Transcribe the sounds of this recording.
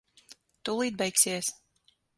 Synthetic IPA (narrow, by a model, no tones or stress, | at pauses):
t̪ulˠiːd̪̚bɛjksʲiɛs